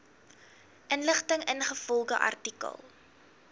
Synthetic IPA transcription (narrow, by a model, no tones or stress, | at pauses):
ʔənləχtəŋənχəfɔlˠɡəʔɐ̰rtikə̰lˠ